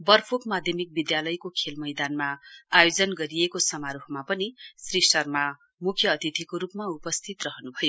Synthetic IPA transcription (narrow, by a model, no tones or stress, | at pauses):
bʌrpʰokmad̪ʱjʌmik̚bid̪jalʌjkokʰelmʌjd̪anmaajod͡zʌnɡʌɾijekosʌmaɾuɦmapʌnisrisʈʌrma | mukʰjʌːt̪it̪ʰikoɾupmaupʌst̪ʰit̪rʌɦʌnubʱʌjo